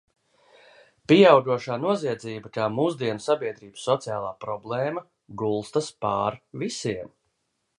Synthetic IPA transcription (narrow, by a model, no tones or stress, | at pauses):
piawɡ̪uɔʃaːnuɔziɛd̪ziːbɐkaːmuːzd̪iɛnusabiɛd̪ɾiːbəsːɔt̪sija̰ːlˠaːpɾɔblˠeːmɐ | ɡulˠst̪aspaːɾvisiɛm